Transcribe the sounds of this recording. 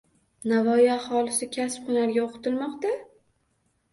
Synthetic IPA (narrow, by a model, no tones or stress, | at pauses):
navɒjɪahɒlɪsɪkʲʰasp̚χʊnaɾɡʲaoqʰɨ̥t̪ʰɪlmɒqt̪a